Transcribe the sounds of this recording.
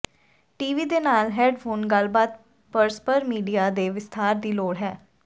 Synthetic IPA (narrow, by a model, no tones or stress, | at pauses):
ʈiːʋiːd̪eːnaːlɦɛːɖpʰoːnɡəlbaːt̪̚ | pəɾspəɾmiːɖijaːd̪eːʋɪst̪ʰaːɾd̪iːloːɽɦɛː